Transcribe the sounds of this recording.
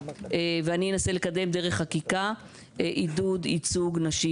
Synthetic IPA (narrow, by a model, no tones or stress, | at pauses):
eveanienasele̞kad̪e̞md̪e̞ʁeχːakika | eʔid̪ud̪it͡suɡnaʃi